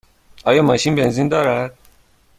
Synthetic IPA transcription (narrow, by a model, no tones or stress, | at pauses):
ɒːjɒːmɒʃiːnbenzind̪ɒːɾæd̪̥̚